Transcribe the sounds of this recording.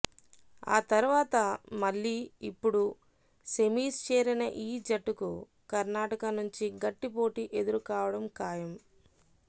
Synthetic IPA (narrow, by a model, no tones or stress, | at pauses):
a̰ːt̪ɐɾuʋaːt̪ɐmɐɭːiːipːuɽu | se̞miːst͡ʃeːɾinɐʔiːd͡ʒɐʈːuku | kɐɾnaːʈɐkɐnuɲt͡ʃiɡɐʈːipo̞ːʈiʔe̞d̪uɾukaːʋɐɽɐmkaːjɐm